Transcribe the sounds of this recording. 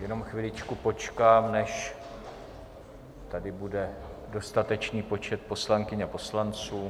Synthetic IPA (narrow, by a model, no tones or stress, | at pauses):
jɛno̞mxvɪlɪt͡ʃkupo̞t͡ʃkaːmnɛʃ | t̪adɪbudɛ | do̞st̪at̪ɛt͡ʃniːpo̞t͡ʃɛt̪̚po̞slaŋkɪɲapo̞slant͡suː